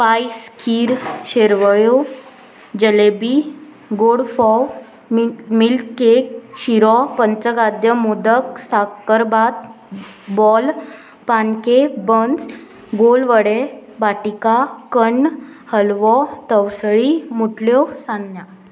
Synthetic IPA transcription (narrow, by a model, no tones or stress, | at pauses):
paiskʰiːɾɕeɾʋəjo | d͡ʑəlebi | ɡoɽfɔw | mmilkek̚ɕiɾɔpənt͡səɡad̪jəmud̪əksakəɾbat̪̚ | bɔl | pankebəns | ɡolʋəɽebaʈikakəɳhəlʋɔt̪əwsɭimuʈʰljosanːja